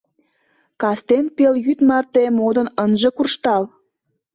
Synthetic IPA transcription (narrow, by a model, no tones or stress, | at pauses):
kɑst̪enpeljyt̪mɑrt̪emod̪ə̆nənʒĕkurʃt̪ɑl